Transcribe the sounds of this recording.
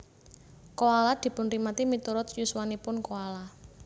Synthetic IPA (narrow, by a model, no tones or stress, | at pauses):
koalad̪̥i̤pʊnɾimat̪imit̪uɾʊt̪juswanipʊnkoala